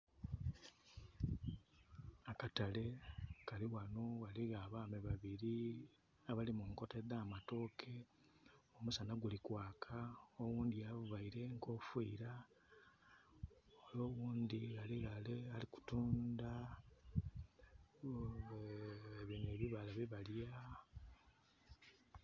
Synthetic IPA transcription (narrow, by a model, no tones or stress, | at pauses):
akatale̞kaliwanoɣaliɣaβaːmeβaβiɾi | aβalimuŋko̞te̞ðaːmato̞ːkʰe̞ | omusanaɡulikwaːkʰaoɣuːnd̪iaβuβaiɾe̞ŋko̞fwḭːɾa | oloːɣuːnd̪iɣaliɣalealiku̥tuːnda | βineβiβalaβiβalja